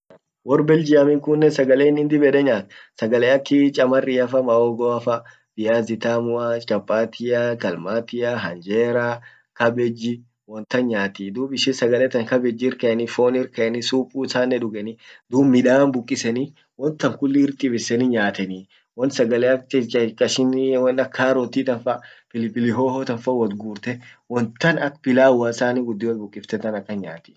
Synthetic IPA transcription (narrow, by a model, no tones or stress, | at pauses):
wɔrbɛld͡ʒɪɐmɪŋkʊnːɛsɐɡɐleːnɪnd̪ɪbɛᶑɛɲaːt̪sɐɡɐlɛɐkːɪt͡ʃʼɐmɐrːiɐfɐmɐoːɡɔɐfɐ | b̥ɪjaːzɪt̪aːmʊast͡ʃʼɐpʼːaːt̪ʰɪjakɐlmaːt̪ɪjaɦɐnd͡ʒeːɾa | kɐbɛd͡ʒːɪ | wɔnt̪ɐnɲaːt̪id̪uːbɪʃɪsɐɡɐlɛt̪ɐŋkɐbɛd͡ʒːɪɪɾkɐɛnɪfoːnɪɾkɐʔɛnɪsuːpʼuːsaːnːɛᶑʊɡɛnɪd̪uːbmːɪᶑaːnbʊkʼːɪsɛni | wɔnt̪ːɐŋkʊlːɪɪɾt̪ʼɪbɪsɛniɲaːt̪ɛni | wɐnsɐɡɐlɛɐt͡ʃkɐʃɪnwɔnɐkʰːaːɾɔt̪iːt̪ɐnfɐpɪlɪpɪlɪɦoːhɔt̪ɐnfɐwɔt̪ɡuːɾt̪ɛwɔnt̪ːɐnɐkpɪlaːwɐnsaːniːɡʊd̪ːɪwɐnbʊkʼːɪft̪ɛt̪ɐnɐkːɐnɲaːt̪ɪ̥